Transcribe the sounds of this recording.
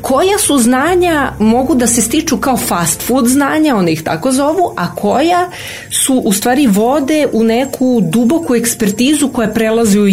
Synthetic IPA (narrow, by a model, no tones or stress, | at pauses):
kʰo̞jasuznaːɲamo̞ɡud̪ase̞st̪it͡ʃukao̞fast̪fud̪znaːɲao̞nd̪aixt̪a̰ko̞zo̞ʋuʔakʰo̞ja | suʔːst̪ʋaːɾiʋo̞d̪e̞ʔune̞kʰud̪ubo̞kue̞kspeɾt̪iːzuko̞japɾelˠaziu